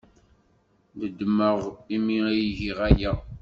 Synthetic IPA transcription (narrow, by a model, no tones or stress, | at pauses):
d̪əd̪ːməʁimiijʝiʁæjæ